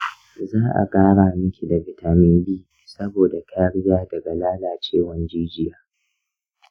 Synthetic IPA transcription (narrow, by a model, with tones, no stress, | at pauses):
zaː˦ʔa̰˨kaː˦ɽaː˨mʊ˦kʲi˨dɐ˨vɪ˨ta˨mɪ˦mbiː˦ | sɐ˦boː˨da˨tʰa˦jɐ˦ɽjaː˦dɐ˨ɡa˨laː˦laː˨t͡ʃeː˦˨wɐ˦nd͡ʒiː˦d͡ʒɪ˦jaː˦